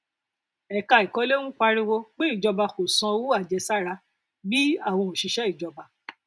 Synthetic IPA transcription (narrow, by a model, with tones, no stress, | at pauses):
ɛ˨ka˧i˨kɔ˨˦le˦ñũ˦k͡pa˧ɾĩ˦wo˧k͡pe˦i˦˨d͡ʒɔ˧ba˧ko˨sɔ̃˧wu˦a˦˨d͡ʒɛ˧sa˦ɾa˧ | bi˦a˦˨w̃ɔ̃˧˨o˨ʃi˧ʃɛ˦i˦˨d͡ʒɔ˧ba˧